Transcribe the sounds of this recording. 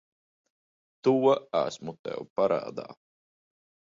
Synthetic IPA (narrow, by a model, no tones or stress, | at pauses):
t̪uɔæ̰smut̪ɛ̰wpaɾa̰ːd̪a̰ː